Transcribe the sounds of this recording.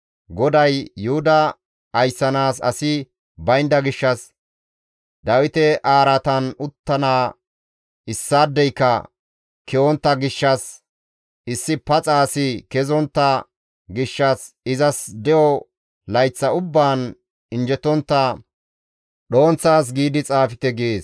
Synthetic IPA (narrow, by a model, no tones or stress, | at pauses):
ɡɔd̪ɐjːʊhʊd̪ɐː | jsːɐnaːsɐ̰sɪ | bɐjnd̪ɐɡɪʃːɐs | d̪ɐwɪt̪ɛʔaːɾɐt̪ɐnʊt̪ːɐnaː | ɪsːaːd̪ːɛjkːɐ̰ | kɛɔnt̪ːɐɡɪʃːɐs | ɪsːɪpɐt͡sʼaːsɪkɛzɔnt̪ːɐ | ɡɪʃːɐs | ɪzɐsd̪ɛjɔ | lɐjt͡sːɐʊbːaːn | ɪnd͡ʒɛt̪ɔnt̪ːɐ | ɗo̞ːnt͡sːaːs̬ɡiːd̪ɪt͡sʼaːfɪt̪ɛɡeːs